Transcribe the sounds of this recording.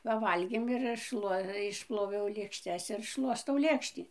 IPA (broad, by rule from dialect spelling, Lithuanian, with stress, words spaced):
pɐˈʋɐlʲɡʲeːm ɪr ɐʃ ˈʃlˠuɔ ɪʃˈplˠoːʋʲɛʊ lʲeːkʃʲˈtʲɛs ɪr ˈʃlˠuɔstɐʊ ˈlʲeːkʃʲtʲiː